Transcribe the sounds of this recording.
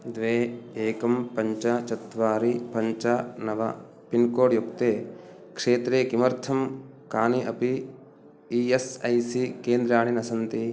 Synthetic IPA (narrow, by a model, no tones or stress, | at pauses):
d̪ʋeːeːkɐmpɐɲt͡ʃɐt͡ʃɐt̪ʋaːɾipɐɲt͡ʃɐnɐʋɐ̰ | pinkoːɽjukt̪eː | kʂeːt̪ɾeːkimɐɾt̪ʰɐm | kaːniʔɐpi | iːesɐjsikeːnd̪ɾaːɳ̃inɐsɐnt̪i